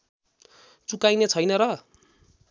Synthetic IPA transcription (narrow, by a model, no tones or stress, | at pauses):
t͡sukajnet͡sʰʌjnʌɾʌ